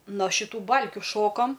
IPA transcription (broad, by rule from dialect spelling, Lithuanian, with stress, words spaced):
noː ʃʲɪˈtuː ˈbɐlʲkʲʊ ˈʃoːkɐm